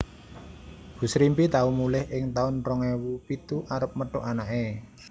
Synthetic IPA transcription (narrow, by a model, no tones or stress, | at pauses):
b̥ṳsɾimpit̪aumulɪhʔɪŋt̪aʊnrɔŋewupit̪uʔaɾəp̚məʈʊ̰ʔanaʔe